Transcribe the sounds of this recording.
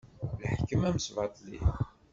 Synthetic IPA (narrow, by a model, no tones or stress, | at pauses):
lħkːəmæməsvɑt̪ˤlḭ